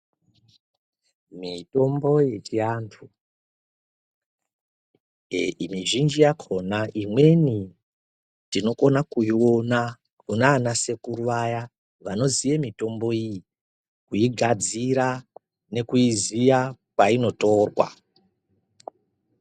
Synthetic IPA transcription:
mito̞mbo̞je̞t͡ʃiantʰu | imiʒind͡ʒijakʰo̞naʔimwe̞ni | tino̞ko̞nakuiwo̞na | kunanase̞kuɾuʋaja | ʋano̞zijemito̞mbo̞iji | kuiɡʱad͡ziɾa | ne̞kuizijakwaino̞to̞rwa̰

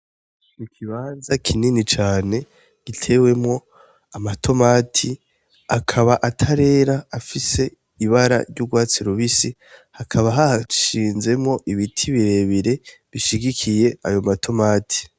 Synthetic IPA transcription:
nikʰiβaːnzakʰininit͡ʃaːne̞ | ɡ̥itʰe̞ːwe̞mŋo̞ | amatʰo̞maːtʰi | akʰaβaʔatʰaɾe̞ːɾaːfise̞ | iβaɾa̰ɾɟuɡwaːt͡siɾuβisi | hakʰaβaɦaʃiːnze̞mŋo̞ʔiβitʰiβiɾe̞βiɾe̞βiʃiɡikʰije̞ajo̞matʰo̞maːtʰi̥

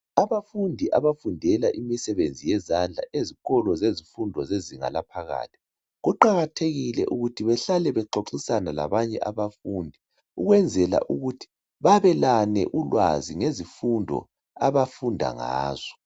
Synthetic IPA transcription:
aβafundʱiʔaβafundʱɛlaʔimisɛβend͡zʱijɛzand͡ɮʱa̰ʔeziɣɔlɔzezifundʱɔzeziŋa̰lapʰaɣa̰ːtʰi̥ | ɣuǃaɣatʰeɣilɛ̰ʔuɣutʰiβɛɬalɛβɛǃoǃisanala̰βaɲɛʔaβafundʱi | uɣwɛnd͡zʱɛla̰ʔuɣutʰi̥ | βaβɛlanɛ̰ʔulwaziŋezifundʱɔ̰ | aβafundʱa̰ŋa̰ːz̥ɔ

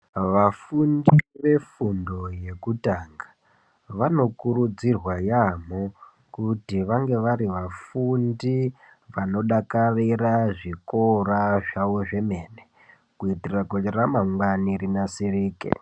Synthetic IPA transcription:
ʋafundiʋe̞fundo̞je̞kutaːŋɡḁ | ʋano̞kuɾud͡zirwajamo | kutiʋaŋɡe̞ʋaɾiʋafundi | ʋano̞ɗakariraʐikoraʐawoʐe̞me̞ːne | kuitirakoɾamaŋwanirinasiriːkḛ

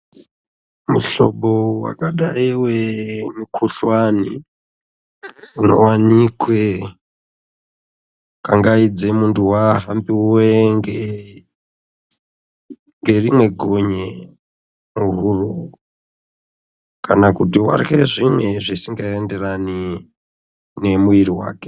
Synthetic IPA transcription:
muɬo̞̰ɓowa̰kaɗaiwemukʰuɬwanḭ | uno̞̰wanikwe | kaŋɡaid͡zemuntuwaɦambiweŋɡe | ŋɡe̞rimwe̞ɡʱoɲe | muɦuro | kanakutiwa̰rkeʐimwe̞ʐisiŋɡaende̞rani | ne̞mujiɾiwa̰ːke̥

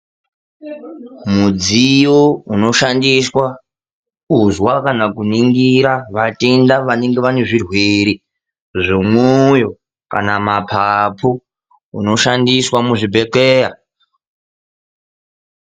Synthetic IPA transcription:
mud͡zijouno̞ʃandiswa | uzwakanakuniŋɡiɾaʋatendaʋane̞ŋɡeʋaneʐirweɾi | ʐomwujo̞ | ka̰namapʰapʰu | ṵno̞ʃandiswamuʐibʱe̞keːja

